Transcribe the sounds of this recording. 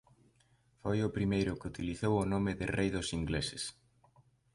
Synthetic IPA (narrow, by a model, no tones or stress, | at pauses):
fojʊpɾimejɾʊkɪut̪iliθowʊnomɪðɪrejðʊsiŋɡlesɪs